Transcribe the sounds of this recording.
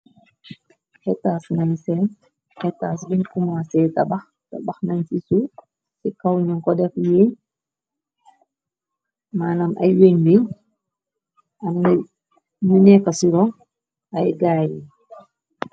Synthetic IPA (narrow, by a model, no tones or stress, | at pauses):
hɛtːaːsnaɲsɛn | hɛtːaːs̬biɲkumasɛːtɐbɐx | tɐbɐxnansisu | sikawɲɔŋkɔdɛfjeɲ | maːnamʔɐ̰jweɲbiɲ | ɐmnɛ | ɲunɛkːɐsiɾɔ | ɐjɡaːi